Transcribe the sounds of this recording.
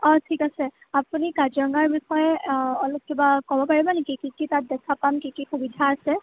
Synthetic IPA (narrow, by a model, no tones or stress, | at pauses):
ɔtʰikasɛ | apunikazɔŋaɹbixɔjɛɔlok̚kibakɔbɔpaɹibɔnekikikitat̚dɛkʰapamkikixubidʱaːsɛ